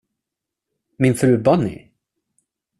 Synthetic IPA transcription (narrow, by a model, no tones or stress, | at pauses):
mɪnfɾʉ̟ːbɔnːɪ̰